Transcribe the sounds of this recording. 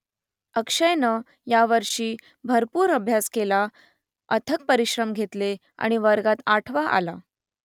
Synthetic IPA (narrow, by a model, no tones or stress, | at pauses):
əkʂəjnə | jaʋəɾʂiː | bʱəɾpuːɾəbʱjaskela | ət̪ʰək̚pəɾiɕɾəmɡʱet̪le | a̰ɽ̃iʋəɾɡat̪aʈʰʋaʔa̰la